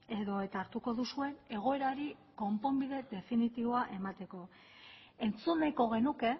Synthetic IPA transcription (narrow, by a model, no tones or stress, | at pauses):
e̞ðo̞et̪aɾt̪uko̞ðusue̞ne̞ɣ̞o̞e̞ɾaɾiko̞mpo̞mbiðe̞d̪e̞finit̪iβo̞aʔe̞mat̪e̞ko̞ | e̞nt͡sunajko̞ɣe̞nuke̞